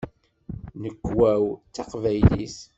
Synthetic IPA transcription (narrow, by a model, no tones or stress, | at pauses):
nəkːwæwt͡sːɑqvæjlḭs